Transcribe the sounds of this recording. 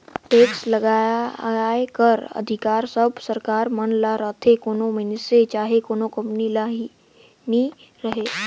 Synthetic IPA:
ʈeːkslɐɡa | ekəɾə̰d̪ʱɪkaːɾsəbʱsəɾkaːɾmənlaɾat̪ʰekoːnomɪnɪset͡ʃaːɦekoːnokɐ̃mpnilaːɦi | ni | ɾɐɦeː

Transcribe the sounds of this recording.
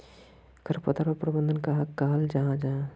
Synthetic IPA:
kəɾpət̪aɾəpɾəbənd̪ʱənkəɦãkːəɦəld͡ʒaɦãd͡ʒaɦã

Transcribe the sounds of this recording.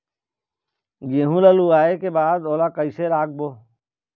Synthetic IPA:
ɡeːɦũləluaːekebaːd̪oːlakəiseɾaːk̚boː

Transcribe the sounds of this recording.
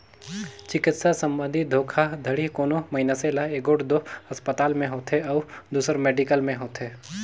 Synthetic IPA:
t͡ʃɪkɪt̪sasɐ̃mbə̃nd̪ʱid̪ʱoːkʰad̪ʱəɽikoːnomɐɦinaselaeːkoːʈd̪oɐspət̪aːlmẽɦoːt̪ɦeɔːd̪uːsəɾmeːɖikəlmẽɦoːt̪ɦeː

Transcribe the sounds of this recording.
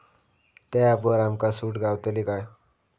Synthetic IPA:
t̪aapəɾamkasuʈɡawt̪əlikaj

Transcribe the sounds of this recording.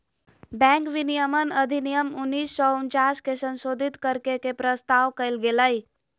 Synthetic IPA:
bɛ̃ŋkʋinijəmənəd̪ʱinijəmunːiːsːɔunt͡ʃaskesə̃nsod̪ʱit̪kəɾkekepɾəst̪aʋkəjlɡeləj

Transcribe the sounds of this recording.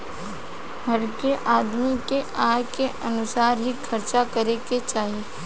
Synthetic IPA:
ɦɐɾkeʔaːd̪mikeaːkeʔɐnʊsaːɾɦikʰɐɾt͡ʃakəɾeket͡ʃaːɦieː

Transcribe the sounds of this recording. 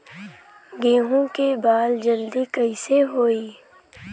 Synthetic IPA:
ɡẽːɦõkebaːld͡ʒɐld̪ikɐiseɦoːiː

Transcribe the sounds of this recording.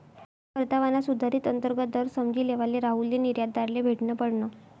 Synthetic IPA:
kəɾt̪aʋanasud̪ʱaɾiːt̪ənt̪əɾɡət̪̚əɾsəmd͡ʑiːleʋaleɾaɦuljiniɾjad̪aɾlebʱeʈnəpəɽɳə

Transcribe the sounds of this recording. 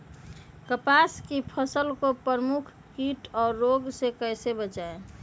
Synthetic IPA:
kəpaskipʰəsəlkopəɾəmukʰ | kiʈɔːɾːoɡsekəjsebət͡ʃae

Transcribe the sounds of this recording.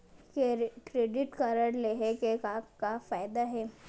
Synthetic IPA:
kekɾeːɖɪʈkɐɾəɾleɦekekakafaːɪd̪aɦɛː

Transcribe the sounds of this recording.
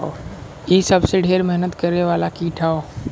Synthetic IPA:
o | isəbseɖʱeːɾmɛɦnət̪kəɾeʋaːlakiʈʰao

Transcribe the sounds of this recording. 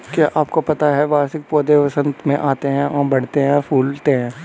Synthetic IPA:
kjaːʔaːpkopɐt̪aɦɛʋaːɾsɪk̚poːd̪epɐsə̃nd̪mẽʔaːt̪eɦɛ̃ʔɔːbɐɽ̤t̪eɦɛ̃pʰuːlt̪eɦɛ̃ː

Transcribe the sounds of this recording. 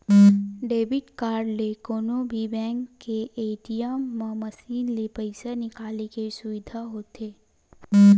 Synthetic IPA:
ɖeːbɪʈkaːɾɖlekoːnobʱibɛ̃ːŋkːeʔeːʈijamãmɐsiːnlepəɪsanɪkaːlekesʊʋɪd̪ʱaɦoːt̪eː

